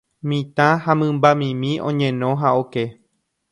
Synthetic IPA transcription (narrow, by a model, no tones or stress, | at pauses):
mĩt̪ãhamɨ̃mbamĩmĩʔõ̰ɲẽnõ̞ɦaoke